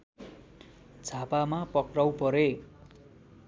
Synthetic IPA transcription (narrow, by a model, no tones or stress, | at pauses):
d͡zʱapamapʌkrawpʌɾe